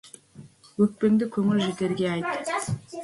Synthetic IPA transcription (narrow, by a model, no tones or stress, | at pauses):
ɵk̚pend̪ɪkʲʰɵŋyld͡ʒet̪e̞ɾɡʲeɑjt̪ː